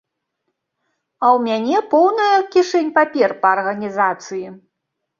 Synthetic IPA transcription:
ɐwmʲanʲɛpɔwnɐjɐkʲiʂɛnʲpapʲɛrpɐːrɣɐnʲizat̪sɨji

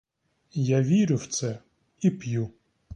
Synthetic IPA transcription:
jaʋʲiɾʲʊwt̪sɛ | ipju

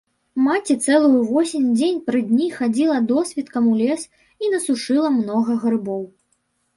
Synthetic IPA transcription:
mat͡sʲɛt̪sɛlˠujuvɔsʲinʲd͡zʲenʲpɾɨd̪ʲnʲixad͡zʲilˠɐd̪ɔsʲvʲit̪kɐmulʲɛs | inɐsuʂɨlˠɐmnɔɣɐɣɾɨbɔw

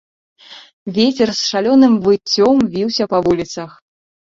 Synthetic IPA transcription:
vʲet͡sʲɛrsʂalʲɔnɨmvɨt͡sʲːɔmvʲiwsʲɐpɐvulʲit̪sɐx

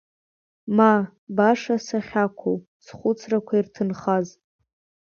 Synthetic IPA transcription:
ma | baʂasaχʲakʷʰow | sχʷʊt͡sʰrakʷʰairtʰɨnχaz

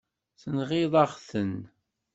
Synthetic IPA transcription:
θənʁɪðˤɑʁθən

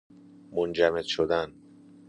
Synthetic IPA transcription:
mond͡ʒæmed̪ʃod̪æn

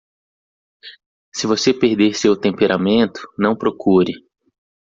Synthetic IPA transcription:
sɪvosepeɾd̪eɾsewt̪ẽmpeɾʔamẽnt̪ʊ̥nɐ̃w̃pɾokʰuɾɪ

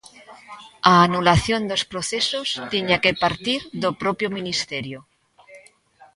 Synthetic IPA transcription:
aːnulaθjond̪ospɾoθesost̪eɲakepaɾt̪iɾðopɾopjomĩnist̪eɾjo

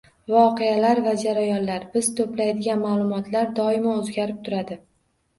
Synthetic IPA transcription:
vɒqʰealaɾvad͡ʒaɾajɒnlaɾbɪzt̪ʰoplajd̪ɪɡʲanmaːlˠʊmɒt̪ʰlaɾd̪ɒɪmaozɡʲaɾɪp̚t̪ʰʊɾad̪ɪ

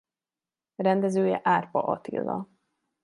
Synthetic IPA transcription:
rɛnd̪ɛzøːjɛʔaːrpɒʔɒt̪ḭlːɒ̰

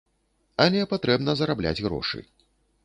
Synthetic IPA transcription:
ɐlʲɛpat̪ɾɛbnɐzɐɾablʲa̰d͡zʲɣɾɔ̰ʂɨ̰

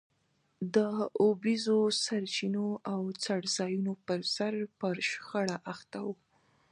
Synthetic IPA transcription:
d̪əobizosaɾt͡ʃinoʔawt͡saɽzɑjunopəɾsaɾpəɾʃxaɽaʔaxt̪awu

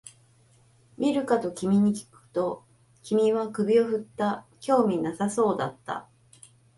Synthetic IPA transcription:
mʲʔʲiɾɯ̟kat̪o̞kʲimʲiɲ̟ikʲi̥kɯ̟̥t̪o̞ | kʲimʲiβakɯ̟bʲio̞ɸɯ̟t̪ːakʲo̞ːmʲinasaso̞ːd̪at̪ːa̰

